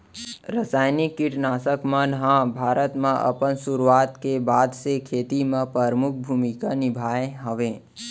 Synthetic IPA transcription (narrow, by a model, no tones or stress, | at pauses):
ɾəsaːjnɪkːɪʈnaːsəkmãnɦãbʱaːɾət̪mãʔɐ̰pənsuɾuaːt̪kebaːd̪ʱsekʰeːt̪imãpɾəɾmʊk̚ʰbʱuːmikanɪbʱaːẽɦəʋẽː